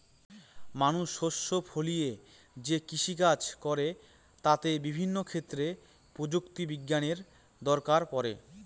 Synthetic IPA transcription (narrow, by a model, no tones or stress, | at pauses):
manuʃhoʃːopʰolije | d͡ʑekiʃikat͡ɕkɔɾe | t̪at̪ebibʱinːokʰet̪ːɾe | pɾod͡ʑukt̪ibiɡːaneɾ | d̪ɔɾkaɾpɔɾḛ